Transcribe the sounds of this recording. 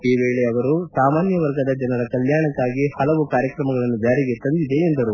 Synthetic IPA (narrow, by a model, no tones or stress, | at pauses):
iːʋeːɭeɐʋɐɾusaːmaːnjɐʋɐɾɡɐd̪ɐd͡ʒɐnɐɾɐkɐljaːɳɐkːaːɡihɐlɐʋukaːɾjɐkɾɐmɐɡɐɭɐnːud͡ʒaːɾiɡe̞t̪ɐnd̪id̪e̞ːnd̪ɐɾu